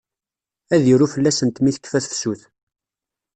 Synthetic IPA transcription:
æðjəɾufəlːæsənt̪miθə̥kːfæθfsuθ

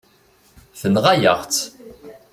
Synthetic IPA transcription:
θənʁajə̰ʁt͡s

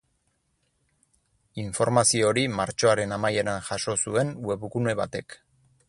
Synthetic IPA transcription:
iɱfo̞ɾmasio̞ɾimaɾt͡ʃo̞aɾe̞namaje̞ɾanʝaʃo̞sue̞nwe̞βukune̞βa̰t̪e̞k

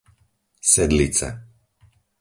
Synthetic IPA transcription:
sɛd̪lit͡sɛ̰

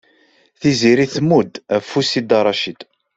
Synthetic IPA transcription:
θiziɾiθmud̪æfːusid̪ɑɾˤɑʃid̪

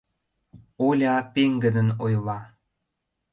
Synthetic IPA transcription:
olʲɑpeŋɡənənojlɑ

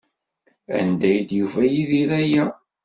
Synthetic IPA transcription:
æ̰nd̪æjd̪jufæjiðiɾæjæ

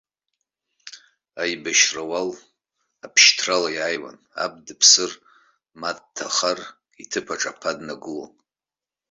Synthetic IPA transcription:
ajbaʃrawal | apʰʃtʰralajaːjwa̰n | a̰b̚dɨpʰsɨr | mad̚tʰaχar | itʰɨpʰaʈ͡ʂʼapʰadnaɡɨlo̰n

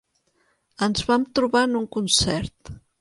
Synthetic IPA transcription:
ənzβamt̪ɾuβanuŋkunsɛɾt̪

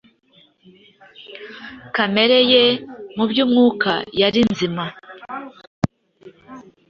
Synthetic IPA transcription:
kame̞ɾe̞jemubjuːmŋuːkʰa̰jaɾinzima

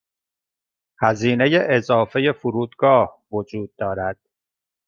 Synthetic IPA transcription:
hæziːne̞je̞ʔezɒːfe̞je̞fuɾuːd̪ɡɒːhvod͡ʒuːd̪̚ːɒːɾæd̪̥̚

